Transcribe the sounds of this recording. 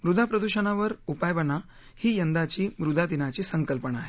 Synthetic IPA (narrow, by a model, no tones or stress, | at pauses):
mɾud̪ʱapɾəd̪uɕənaʋəɾupajʋəna | hiːjənd̪at͡ɕiːmɾud̪ʱad̪inat͡ɕisəŋkəlpəɳaaːɦe